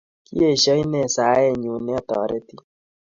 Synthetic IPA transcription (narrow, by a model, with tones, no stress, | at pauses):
kḭ˦e˦˨ʃɔ˦i˦nɛ˨saː˨˦jɛ˦˨ɲu˨nɛ˦ɔ˦t̪ɔ̰ː˨˦ɾɛ˦t̪i˦